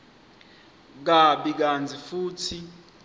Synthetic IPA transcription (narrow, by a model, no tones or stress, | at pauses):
k̬aɓik̬and͡zʱifuːtʰi